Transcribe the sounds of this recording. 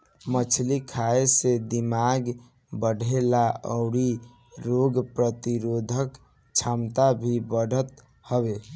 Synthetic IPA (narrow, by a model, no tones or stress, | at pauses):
mət͡ʃʰlikʰaesed̪imaɡ | bəɖʱelaɔ̰ʊɽi | ɾoɡpɾət̪iɾod̪ʱək | t͡ʃʰamt̪abʱibəɽ̤ʱət̪ | həβe